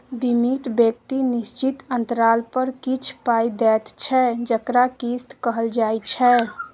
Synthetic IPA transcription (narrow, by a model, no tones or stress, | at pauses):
bimit̪bjek̚t̪inist͡ʃit̪ənt̪əɾalpəɾkit͡ʃʰpajd̪ɛt̪t͡ʃʰɛd͡ʒəkɾakist̪kəɦəld͡ʒajt͡ʃʰɛ